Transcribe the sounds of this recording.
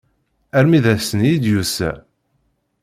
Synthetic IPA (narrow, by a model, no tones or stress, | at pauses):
æɾmiðæsənjid̪jusæ̰